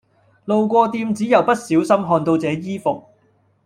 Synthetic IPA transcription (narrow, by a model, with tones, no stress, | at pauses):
lo˨˧wkʷɔː˧t̪iː˧mt͡siː˨˥jɐ˨wpɐ˥t̚siː˨˥wsɐ˥mɦɔː˧nt̪o˧wt͡sɛː˨˥jiː˥fʊ˨k̚